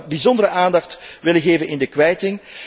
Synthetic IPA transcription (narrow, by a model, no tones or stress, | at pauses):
bizɔndəɾəʔaːndɑxtʋɪləɣeːvənɪndəkʋɛjtɪŋ